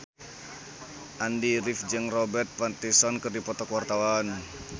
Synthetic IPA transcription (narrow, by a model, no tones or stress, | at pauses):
ʔandiɾifd͡ʒɨŋrɔbɛrt̪̚fat̪isɔnkɨrdipɔt̪ɔkwart̪awan